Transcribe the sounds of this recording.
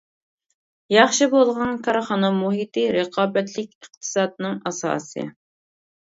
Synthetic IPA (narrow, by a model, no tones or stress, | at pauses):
jɑχʃibolˠʁɑnkʰɑɾχɑnɑmuɦit̪ɨɾɨqʰɑːbɛt̪ʰlɪkʲəχ̚t̪ʰɨ̥sɑːd̪̚nɨŋɑsɑ̰ːsɨ̰